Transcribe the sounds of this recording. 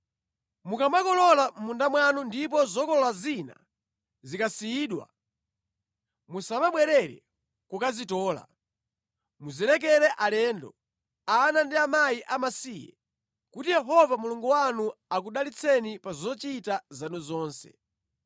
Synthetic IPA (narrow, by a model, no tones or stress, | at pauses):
mukamakɔlɔlam̩mundamwanundip̬ɔzɔkɔlɔlazina̰ | zikasiiːɗwa̰ | musaβaɓwɛɾɛɾɛ̰ | kukazitɔːla̰ | muzilɛk̬ɛɾɛʔalɛndɔ̰ | anandiamajiʔamasiːjɛ̰ | kutijɛɦɔvamuluŋɡuwanuakuɗalit͡sʰɛnipazɔt͡ʃitazanuzɔːnsɛ̰